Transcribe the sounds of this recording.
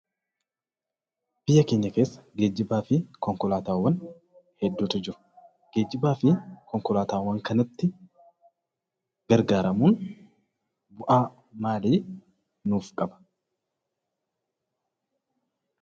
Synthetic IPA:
b̥ɪjːɐkeːɲːɐke̞ːsːɐ̥ɡe̞ːd͡ʒːɪbaːfɪkɔŋkɔlaːt̪aːwːɐn | hɛd̪ːuːt̪ʊd͡ʒɪɾʊ̥ | ɡ̥e̞ːd͡ʒːɪbaːfɪkɔŋkɔlaːt̪aːwːɐŋkɐnɐt̪ːɪ | ɡ̥ɐɾɡaːɾɐmuːn | bʊʔaː | maːliː | nuːfkʼɐbɐ̥

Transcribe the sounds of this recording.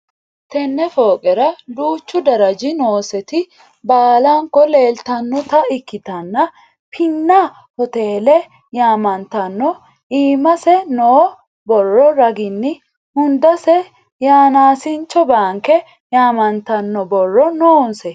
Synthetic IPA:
t̪ɛnːɛfoːkʼɛɾɐd̪uːt͡ʃːʊd̪ɐɾɐd͡ʒɪnoːsɛt̪ɪ | baːlaŋkːɔle̞ːlt̪ɐnːɔt̪ɐɪkːɪt̪ɐnːɐ | pʰɪnːɐ | hɔt̪e̞ːlɛ | jaːmɐnt̪ɐnːɔ | iːmɐsɛnoː | bɔrːɔɾɐɡɪnːɪ | hʊnd̪ɐsɛ | jaːnaːsɪnt͡ʃːɔbaːŋkɛ | jaːmɐnt̪ɐnːɔbɔrːɔnoːnsɛ

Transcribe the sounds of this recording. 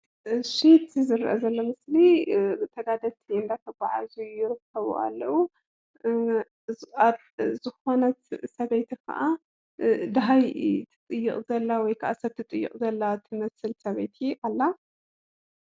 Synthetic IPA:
ʃet̪izɨɾɐ̰ʔa̰zɐlːomɨslit̪ʰɐɡad̪ɐt̪ʰiɨnd̪ajt̪ʰɐbaʕazujɪɾɨkʰːɐβṵʔa̰lːɐwu | a | zɨxo̞nɐt̪sɐβejt̪ʰikʰɐ̰ʔa | d̪ɐɦajt̪ʰɨ̥t̪ʼɨjːɨχʼzɐlːawɔjkʰɐʔasɐb̚t̪ʰɨt̪ʼɨjːɨ̰qʼzɐlːat̪ʰɨmɐsɨlsɐβejt̪ʰiʔalːa

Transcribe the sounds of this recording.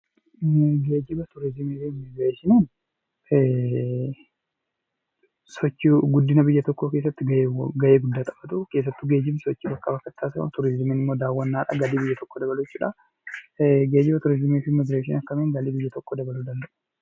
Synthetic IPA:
ɡe̞ːd͡ʒɪbɐt̪ʊɾɪzɪmiːfɪmɪɡɾeːʃɪniːn | sɔt͡ʃːɪɡʊd̪ːɪnɐbɪjːɐt̪ɔkːoːke̞ːs̬ːɐt̪ːɪɡɐːɡɐje̞ːɡʊd̪ːaːt̪ʼɐ̥bɐt̪uke̞ːs̬ːɐt̪ːʊɡe̞ːd͡ʒɪmsɔt͡ʃːibɐkːɐbɐkːɐt̪ːaːsɐɐ̰t̪ʊɾɪzɪmeːnɪmːo̞ːd̪aːwːɐnːaːᶑɐ̰ɡɐd̪iːbɪjːɐt̪ɔkːod̪ɐbɐlut͡ʃːuːᶑɐ | ɡeːd͡ʒɪbɐt̪ʊɾɪzɪmiːfɪmɪɡɾeːʃ̬ɪnɐkːɐmeːŋɡɐliːbɪjːɐt̪ɔkːoːd̪ɐbɐluːd̪ɐnd̪ɐʔʊ̥

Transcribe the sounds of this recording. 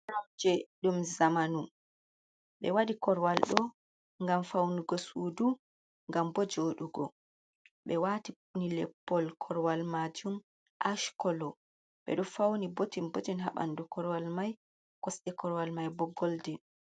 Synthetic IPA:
ɾamd͡ʒɛɗumzamanu | ɓɛ̰waɗikɔɾwalɗɔ | ŋɡamfawnuɡɔsuːdu | ŋɡambɔd͡ʒoɗuɡɔ̰ | ɓɛwaːtiunilɛpːɔlkʰɔɾwalmad͡ʒum | ʔaʃkɔlɔ | ɓɛ̰ɗɔfawnibotinbotinɦa̰ɓa̰ndukɔɾwalmaj | kɔsɗɛkɔɾwalmajbɔɡːɔldɛn

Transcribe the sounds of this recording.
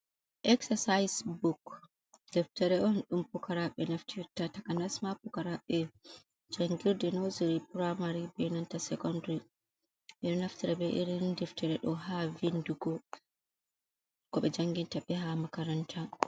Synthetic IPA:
ʔɛksasajsbuk | d̥ɛftɛɾɛɔnɗumpukaɾaɓɛnaftʰiɾtatakanasmapukaɾaɓɛ | d͡ʒaŋɡiɾdɛnoziɾipɾamaɾibɛnantasɛkɔndɾi | ʔiɾinaftiɾɛbɛʔiɾindɛftɛɾɛɗɔɦavinduɡɔ | kɔɓɛd͡ʒaŋɡintaɓɛɦamakaɾantʰa

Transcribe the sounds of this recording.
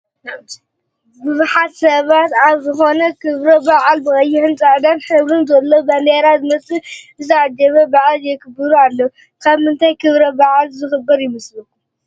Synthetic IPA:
bɨzuħat̪sɐβat̪aβzɨxo̞nɐkʰɨβɾɐbaʕalbɨɣʼɐjːɪʕɨnt͡sʼaʕd̪anħɨβɾɨnzɐlːobɐnd̪eɾazɨmɐsɨ | ɨzɨad̪ɐβɐbaʕaljɛkʰɨbɨɾualːɐu | kʰaβmɨnt̪ʰajkʰɨβɾɐbaʕalzɨxɨbːɐɾjɪmɨslɨkːu

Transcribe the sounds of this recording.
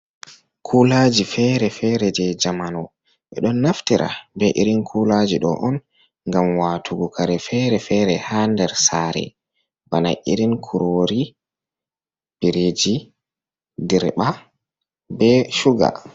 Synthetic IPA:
kʰulad͡ʒifɛɾɛfɛɾɛd͡ʒɛd͡ʒamanɔ | ɓɛ̰ɗɔnːaftiɾʔa̰bɛʔiɾinkʰulad͡ʒiɗɔ̰ʔɔn | ŋɡamwaːtʰuɡukʰaɾɛfɛɾɛfɛɾɛhandɛɾsaɾɛ̰ | bana̰ʔḭɾinkʰuɾoɾi | b̥iɾed͡ʒi | diɾɓa | bɛʃuɡa̰

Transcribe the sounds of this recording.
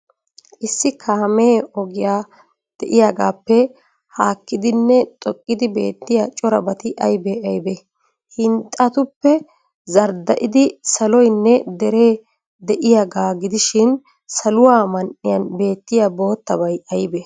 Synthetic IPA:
ʔɪsːɪkʰaːmeːɔɡɪjaː | d̪̥ɛʔɪjaɡaːpːɛ | haːkːɪd̪ɪnːɛt̪ʼɔkʼːɪd̪ɪbe̞̰ːt̪ːɪjat͡ʃʼɔɾɐbɐt̪ɪʔɐjbɛɐjbɛ | hɪnt̪ʼɐt̪ʊpːɛ | zɐɾd̪ɐʔɪd̪ɪsɐlɔjnːɛd̪ɛɾe̞ː | d̪ɛʔɪjaːɡaːɡɪd̪ɪʃɪn | sɐlʊwaːmɐnʔɪjɐnbe̞ːt̪ːɪjabo̞ːt̪ːɐbɐjɐjbɛ

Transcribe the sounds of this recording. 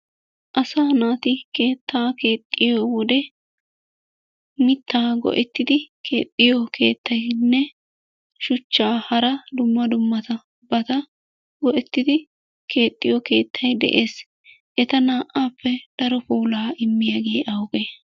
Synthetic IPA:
ʔɐsaːnaːt̪ɪke̞ːt̪ːaːke̞ːt̪ʼːɪjowɔd̪ɛ | mɪt̪ʰːaːɡɔ̰ʔɛt̪ːɪd̪ɪkʰe̞ːt̪ʼːɪjɔkʰe̞̰ːt̪ʰːɐjnːɛ | ʃʊt͡ʃːaːhɐɾɐd̪ʊmːɐd̪ʊmːɐt̪ɐ | bɐt̪ɐ | ɡɔʔɛt̪ːɪd̪ɪ | kʰe̞ːt̪ʼːɪjɔke̞ːt̪ʰːɐjd̪ɛ̰ʔe̞ːs | ʔɛt̪ɐnaːʔaːpːɛd̪̥ɐɾɔpuːlaːɪmːɪjaɡe̞ːʔɐwʊɡe

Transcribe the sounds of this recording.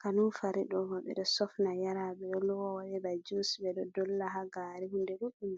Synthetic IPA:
kanunfaɾiɗɔbɔɓɛ̰ɗɔsɔfnajaɾaɓɛjɔlɔwɔwaɗɛbad͡ʒusbɛɗɔdɔlːaɦaɡaɾihundɛɗuɗum

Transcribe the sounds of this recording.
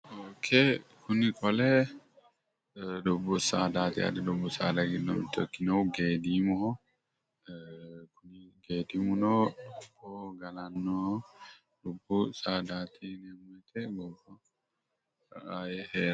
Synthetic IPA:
oːkʰɛkʰʊnɪkʼɔlɛ | d̪ʊbːʊsaːd̪aːt̪ɪ̰a̰d̪ɛd̪ʊbːʊsa̰ːd̪ɐɡɪdɔ̰mɪ̰t̪ːɔkːɪnɐwɡeːd̪imɔhɔ | kʊnɪɡeːd̪ɪmʊnɔːbɔɡɐlɐnːɔ | d̪ʊbːʊsaːd̪aːt̪ʰinɛmɔjt̪ɛɡɔbɔ | ajɛheːɾ

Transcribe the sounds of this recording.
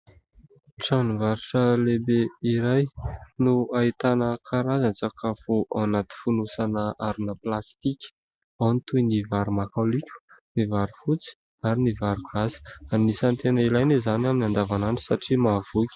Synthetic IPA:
ʈ͡ʂanuvaɾiʈ͡ʂəlebeiɾajnuait̪anəkʰaɾazant͡sakafoʔawnat̪i̥funusanəʔaɾunəplast̪ikʲə̥ | awnit̪ujnivaɾumakalikʲu̥nivaɾifut͡si̥ | aɾinivaɾuɡ̥azi̥anisant̪enəilajnezanaminand̪avanani̥saʈ͡ʂimav̥ukʲ

